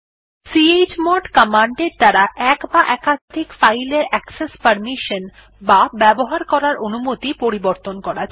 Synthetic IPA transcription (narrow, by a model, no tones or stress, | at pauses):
sied͡ʑmɔɖkamaɳɖeɾt̪aɾaʔɛkbaʔɛkad̪ʱikfajleɾɛksespəɾmiʃən | babɛboɦaɾkɔɾaɾonumot̪ipoɾiboɾt̪onkɔɾat͡ɕʰ